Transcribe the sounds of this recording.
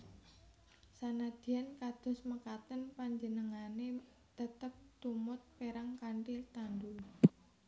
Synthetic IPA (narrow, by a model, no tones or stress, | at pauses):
sanad̪̥i̤ankad̪̥ʊ̤sməkat̪ənpaɲd͡ʒənəŋane | d̪̥ət̪əp̚t̪umʊt̪̚peɾaŋkaɳʈilt̪andul